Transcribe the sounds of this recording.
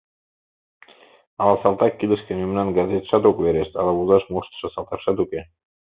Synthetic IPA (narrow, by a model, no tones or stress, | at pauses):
ɑlɑsɑlt̪ɑkːilə̆ʃkĕnymnɑnɡɑzet̪ʃɑt̪okβeɾeʃt̪ɑlɑβuzɑʃmoʃt̪ə̥ʃɤ̆sɑlt̪ɑkʃɑt̪uke